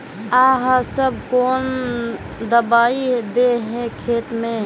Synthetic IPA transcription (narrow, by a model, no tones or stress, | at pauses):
aːɦasəb̚koːn | d̪əbaːid̪eɦɛ̃kʰeːt̪mẽ